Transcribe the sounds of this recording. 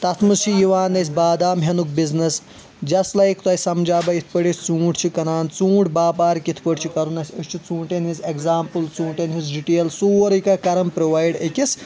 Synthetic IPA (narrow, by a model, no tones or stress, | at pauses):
t̪ɐt̪ʰmɨst͡ʃʰijiʋaːnːɐsʲbaːd̪aːmɦʲɐnuk̚biznɐs | d͡ʒɐsʈlɐjkt̪ɐjsɐmd͡ʒaːbɐit̪ʰpəɽisʲt͡sũːʈt͡ʃʰikɐnaːnt͡sũːʈbaːpaːɾikit̪ʰpəʈt͡ʃʰikɐɾunɐsʲɐʃʲt͡ʃʰit͡sũːɳʈenɦizekzaːmpɨlt͡sũːɳʈenɦizɖiʈeːlsuːɾikɐkɐɾɐmpɾoʋaːjɖɐkʲis